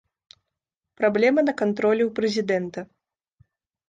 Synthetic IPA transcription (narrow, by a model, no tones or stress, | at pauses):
pɾablʲɛmɐnɐkant̪ɾɔlʲɛwpɾɛzʲid̪ɛnt̪ɐ